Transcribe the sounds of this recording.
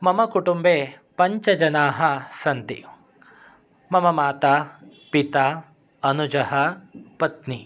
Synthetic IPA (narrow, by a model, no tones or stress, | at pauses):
mɐmɐkuʈumbeː | pɐɲt͡ʃɐd͡ʒɐnaːɦɐsɐnt̪ḭ | mɐmɐmaːt̪a | pit̪aː | ɐnud͡ʒɐɦɐpɐt̪ni